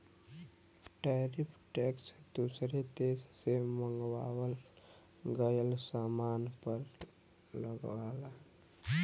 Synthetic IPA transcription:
ʈɛɾɪpʰʈɛːksd̪usɾet̪eːssemə̃ŋɡwaːwəl | ɡəjəlsaːmaːnpəɾ | ləɡʋaːla

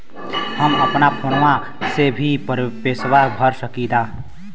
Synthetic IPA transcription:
həməpnapʰonʋã | sebʱipəɾpeːswabʱəɾsəkid̪aː

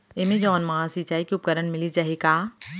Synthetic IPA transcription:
emẽd͡ʒɔːnmɐɦãsiːt͡ʃaːikiʊp̚kəɾəɳmɪlid͡ʒɐɦekaː

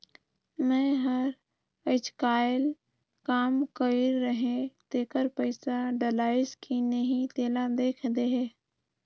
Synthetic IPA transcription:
mɛ̃ɦəɾ | əɪt͡ʃkaːɪl | kaːmkəɾːəɦẽt̪eːkəɾpəɪsaɖəlaːɪskʰinəɦĩt̪eːlad̪eːkʰd̪eɦeː

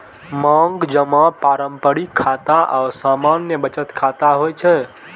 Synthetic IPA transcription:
maŋɡd͡ʒəmapaɾəmpəɽikʰːat̪aʔa̰ʊɾsamanjəbət͡ʃət̪kʰat̪aɦojt͡ʃʰɛ

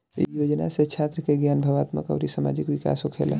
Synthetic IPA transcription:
ḭjod͡ʒnaset͡ʃʰat̪ɾəkeɡjanbʱəʋat̪mə̰kə̰ʊɾisama̰d͡ʒikʋika̰sokʰḛl

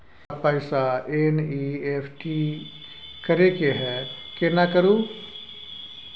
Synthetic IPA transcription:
pəɪsaeːniːeːfʰʈi | kɐɾekeɦɛkenakəɾuː

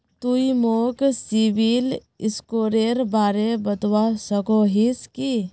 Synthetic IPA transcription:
t̪uimoːksiʋil | ɪskoːɾeːɾbaːɾebəd̪wasəɡoɦiski

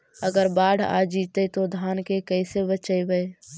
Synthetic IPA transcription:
əɡəɾbaːɽʱa̰ːd͡ʒiːt̪ət̪od̪ʱaːnkekəɪsebət͡ʃəjbəe

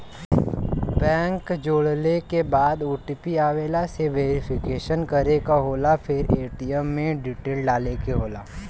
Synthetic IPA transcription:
bɛ̃ːŋkd͡ʒoːɽlekebaːd̪uːʈipiaːʋeːlaseʋeːɾɪpʰɪkeːʃənkɐɾekaɦoːlapʰɪɾeːʈijəmːẽɖiʈeːlɖaːlekeɦoːlaː

